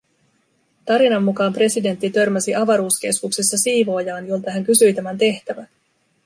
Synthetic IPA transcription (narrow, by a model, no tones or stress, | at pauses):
t̪ɑɾinɑmːukɑːmpre̞side̞nt̪ːit̪ø̞rmæsiʔɑʋɑɾuːsk̟e̞skukse̞sːɑsiːʋo̞ːjɑːnjo̞lt̪ɑɦæŋkysyjt̪æmænt̪e̞ht̪æʋæ